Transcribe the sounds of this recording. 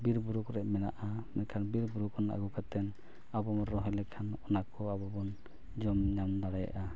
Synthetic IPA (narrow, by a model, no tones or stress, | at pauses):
biɾbuɾukɾɛʔmɛna̰ʔamɛkʰanbiɾbuɾukɔna̰ɡukat̪ɛn | abɔmɔɾɔɦɔlɛkʰanɔnakɔabɔbɔn | d͡ʒɔmɲamd̪aɽaja̰ʔa